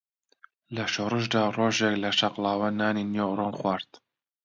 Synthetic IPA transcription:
lɐʃoːɾɨʃd̪ɑːroːʒɛklɐʃɑqlɑːwɐnɑːninjoronxwɑɾt̪

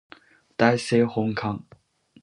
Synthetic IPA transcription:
t̪ajsehʊŋkʰaŋ

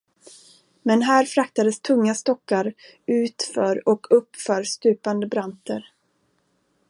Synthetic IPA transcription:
mɛnɦæːɾfɾakt̪ad̪əst̪ʰɵŋːast̪ɔkːaɾ | ʉ̟ːt̪fœɾɔkʰɵpːfœːɾst̪ʉ̟ːpand̪əbɾant̪əɾ

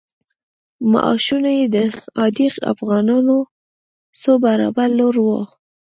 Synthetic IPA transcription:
ma̰ʔɑ̰ʃunajed̪əɑd̪iqa̰fɣɑnɑno | sobaɾɑ̰baɾloɾwo

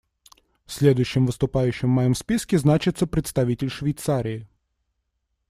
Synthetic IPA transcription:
fsʲlʲed̪ʊjɕːɪmvɨst̪ʊpajʉɕːɪmːɐjɔmspʲiskʲɪznat͡ɕɪt̪səpɾʲɪt̪st̪ɐvʲitʲɪlʲʂvʲɪjt̪saɾʲɪː

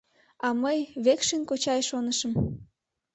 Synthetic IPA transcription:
ɑməjβekʃinkot͡ɕɑjʃonəʃəm

